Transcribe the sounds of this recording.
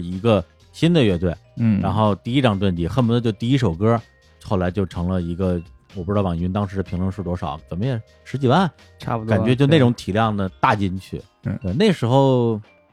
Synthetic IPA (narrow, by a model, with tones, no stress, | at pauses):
i˧˥ɡə˧ | ɕi˥nd̪ə˨ɥɛ˥˧t̪we˥˩ɪ˩ɻa˧˥nxo˥˧ʊt̪i˥˩i˥ʈ͡ʂɑ˥˧ŋʈ͡ʂwə˥˩nt͡ɕi˥˩xə˥˩mu˧˥ə˧t͡ɕjo˥˧ʊt̪i˥˧i˥ʂ̬o˨˩ʊkɤ˥ | xo˥˩la˧˥ɪt͡ɕjo˥˩ʊʈ͡ʂʰɤ˧˥ŋlə˧i˧˥ɡə˧ | wɔ˨˩pu˥˧˥ɑ˨˩ɥnt̪ɑ˥ŋʂɻ̩˧˥d̪ə˧pʰi˧˥ŋlwə˥˧nʂ̩˥˩t̪wɔ˥ʂɑ˨˩˦ʊkə˨˩mə˦˥jɛ˨˩ | ʂɻ̩˧˥t͡ɕi˨˩wa˥˩n | ʈ͡ʂʰa̰˥˩pu˨t̪ka˨˩˥nɥɛ˧˥t͡ɕjo˥˧ne˥˩ɪʊ˧˥ŋt̪ʰi˨˩ljɑ˥˩ŋd̪ə˩t̪a˥˩t͡ɕi˥nt͡ɕʰy̰˥˩˧ | t̪we˥˧ɪne˥˩ʂɻ̩˧˥xo˥˧ʊ